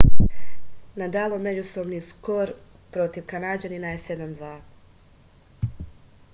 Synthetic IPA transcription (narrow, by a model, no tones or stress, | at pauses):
nad̪alˠome̞d͡ʑusobnisu̥koɾ | pɾo̞t̪iʋkanad͡ʑaninajese̞d̪amd̪ʋaː